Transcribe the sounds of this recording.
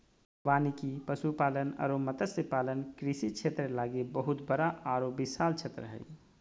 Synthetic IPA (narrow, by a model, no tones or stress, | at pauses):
ʋanikipəsupalənə̰ɾomət̪əsipalənkɾisit͡ʃʰet̪ɾəlaɡebəɦut̪bəɾaaɾobisaːlt͡ʃʰet̪ɾəɦə̰j